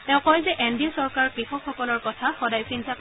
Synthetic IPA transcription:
tɛ̃ʊ̃kɔjzɛʔɛndiɔsɔɹkaɹkɹixɔkxɔkɔlɔɹkɔtʰaxɔdajsintʰak

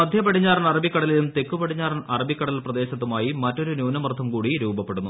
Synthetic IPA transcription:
mɐd̪ʱjɐpɐɽiɲːaːrɐnɐrɐbikːɐɽɐlilumt̪e̞kːupɐɽiɲːaːrɐnɐrɐbikːɐɽɐlilprɐd̪e̞ːɕɐt̪ːumaːjimɐtːo̞ɾunjuːnɐmɐrt̪ʰːɐmkuːɽiɾuːbɐpːe̞ɽunːu

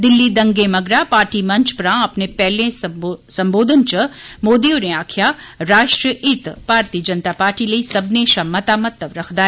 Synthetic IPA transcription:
d̪ɪlːid̪ɐ̃ŋɡemɐɡɾapaːɾʈimɐ̃ɲt͡ʃpɾãːɐpnepɛɦlẽsɐ̃mboːd̪ʱənt͡ʃəmoːd̪ioneaːkʰjaɾaːʃʈɾəʔɪt̪b̥ʱaːɾt̪iːəd͡ʒɐnt̪apaːɾʈilɐisɐbneʃamɐt̪aːmɐt̪ːəʋɾɐkʰd̪aː

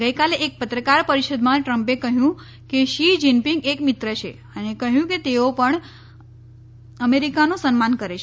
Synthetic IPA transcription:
ɡəjkaleʔːk̚pət̪ɾəkaɾpəɾiʃəd̪mãʈɾəmpekəɦjũ | keʃid͡ʒinpiŋɡekmɪt̪ɾət͡ʃʰḛ | ənekəɦjũket̪eopəɳ | əmeɾikanosənmankəɾet͡ʃ

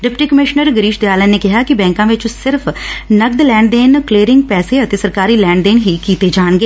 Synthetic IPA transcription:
ɖɪpʈiːkəmɪʃnəɾɡəɾiːʃd̪eːaːlə̃ːneːkɪɦaːkɪbɛ̃ːŋkãːʋɪt͡ʃsɪɾpʰnəɡd̪lɛ̃ːɳɖd̪eːnkleːɾɪ̃ŋɡ̚pɛːseːət̪eːsəɾkaːɾiːlɛ̃ːɳɖɖ̪eːnɦiːkiːt̪eːd͡ʒaːɳɡeː

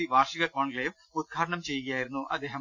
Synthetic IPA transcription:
iʋaːrʂiɣɐkoːɳkleːʋ | ud̪̚ɡʰʱaːɾɐɳɐmt͡ɕe̞jːuɣɐjaːjiɾunːuʔɐd̪eːɦɐ

